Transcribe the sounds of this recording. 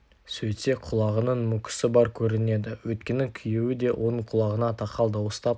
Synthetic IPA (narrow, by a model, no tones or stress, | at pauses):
sɵj̪se̞qʰʊlˠɑʁənəɴmʊkʲɪ̥sɪbɑɾkʲʰɵɾɪne̞d̪ɪwɵt̪̚kʲe̞nɪŋkʲʰʏjewɪd̪e̞wʔo̞nəɴqʰʊlˠɑʁənɑt̪ʰɑqɑlˠd̪ɑwəst̪ɑp